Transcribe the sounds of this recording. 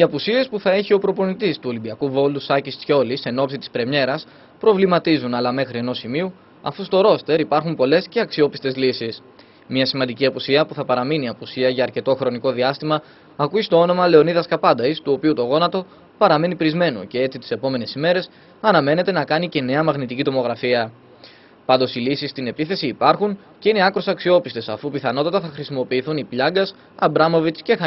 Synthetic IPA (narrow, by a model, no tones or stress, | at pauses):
iɐpusie̞spuθɐe̞çio̞pɾo̞po̞nit̪ist̪uo̞limbiɐkuvo̞lusɐcist̪ço̞lise̞no̞psit̪i̥spɾe̞mɲe̞ɾɐs | pɾo̞vlimɐt̪izunɐlɐme̞xɾie̞no̞simiu | ɐ̰fust̪o̞ɾo̞st̪e̞ɾipɐɾxumpo̞le̞sce̞ɐksio̞pist̪e̞zlisis | mɲɐsimɐnd̪iciɐpusiɐpuθɐpɐɾɐminiɐpusiɐʝɐːɾce̞t̪o̞xɾo̞niko̞ðiɐst̪imɐː | kuist̪o̞o̞no̞mɐle̞o̞niðɐskɐpɐd̪ɐist̪uo̞piut̪o̞ɣo̞nɐt̪o̞ | pɐɾɐme̞nipɾizme̞no̰ce̞e̞t͡sit̪i̥se̞po̞me̞ne̞sime̞ɾe̞s | ɐnɐme̞ne̞t̪e̞nɐkɐnice̞ne̞ɐmɐɣnit̪icit̪o̞mo̞ɣɾɐfiɐ | pɐnd̪o̞silisist̪ine̞piθe̞siːpɐɾxun | ce̞ine̞ɐkɾosɐksio̞pist̪esɐfupiθɐno̞t̪ɐt̪ɐθɐxɾisimo̞piːθunipʎɐɡɐs | ɐbɾɐmovit̪sce̞xɐ